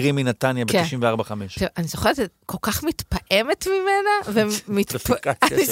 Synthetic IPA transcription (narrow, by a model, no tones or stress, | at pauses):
ʁiminat̪anjabket̪iʃimveaʁbaχameʃanizoχeʁzekʰolkaχmit̪paʔemet̪mimenavemit̪pai